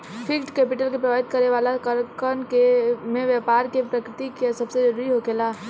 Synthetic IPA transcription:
pʰɪkʈkeːpɪʈəlkepɾəʋaːɦɪt̪̚kəɾeʋaːlakəɾkənkemẽʋjɛpaːɾkepɾəkɾɪt̪ikesəbsed͡ʒəɾuɾiɦoɡela

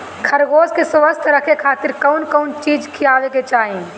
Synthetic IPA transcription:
kʰɐɾɡoːskesʋəst̪ʰɾəkekʰaːt̪ɪɾkɐʊnkəʊnt͡ʃiːd͡ʒkʰijaːʋeket͡ʃaːɦẽ

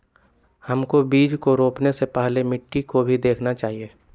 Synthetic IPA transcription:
hɐmkobiːd͡ʒkoɾoːpnesepɛɦlemɪʈːikobʱid̪eːkʰnat͡ʃaːɦieː

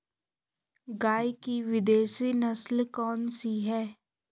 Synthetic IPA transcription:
ɡaːikiʋɪd̪eːʃinɐslkɔːnsiɦɛː

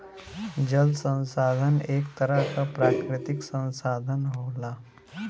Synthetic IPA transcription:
d͡ʑəlsə̃w̃sad̪ʱənekt̪əɾakapɾakɾɪt̪iksə̃w̃sad̪ʱənɦola

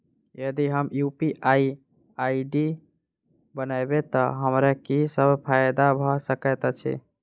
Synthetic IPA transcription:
jəd̪iɦəmjupiʔai | aiɖi | bənajbet̪ɔɦəmɾakisəbʱpʰajd̪abʱɔsəkət̪t͡ʃʰḭ

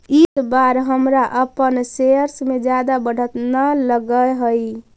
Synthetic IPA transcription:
isbaɾɦəmɾaʔəpənseɾsmed͡ʒjad̪abəɽ̤ʱət̪naləɡəɦəj

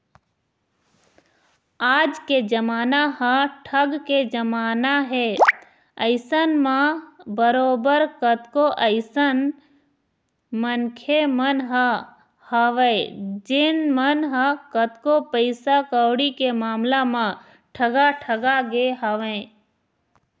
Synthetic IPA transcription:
aːd͡ʒked͡ʒəmaːnaɦə̃ʈʰəɡked͡ʒəmaːnaɦe | əɪsənmãbəɾoːbəɾkət̪koʔəɪsən | mənkʰemənɦə | həʋẽd͡ʒɪnmənɦəkət̪kopəɪsakəwɽikemaːmlamã | ʈʰəɡaʈʰəɡaɡeɦəʋẽː

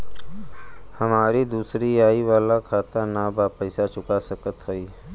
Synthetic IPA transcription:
həmaːɾid̪uːsɾijaːiʋaːlakʰaːt̪anabapəjsat͡ʃʊkasəkət̪ɦoiː

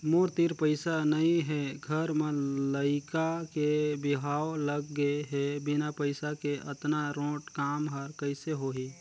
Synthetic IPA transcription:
moɾt̪iɾpəɪsanəĩɦeɡʱəɾmẽləɪkakebɪɦaːoləɡːəeɦebinapəɪsakeʔə̰t̪naɾõːʈkaːmɦəɾkəɪseɦoɦi

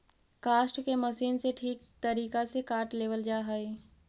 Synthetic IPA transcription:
kaːsʈkeməsiːnseʈʰiːk̚t̪əɾiːkasekaːɾʈleːʋəld͡ʒaːɦəi

